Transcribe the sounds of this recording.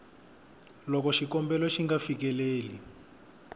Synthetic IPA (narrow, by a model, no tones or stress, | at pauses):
lɔkɔʃikɔmbɛlɔʃiŋɡafik̬ɛleːli